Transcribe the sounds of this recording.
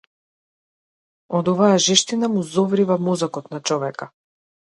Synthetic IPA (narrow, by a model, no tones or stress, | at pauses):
ɔd̪ɔvajaʒɛʃt̪inamuzɔvɾivamɔzakɔt̪nat͡ʃɔvɛka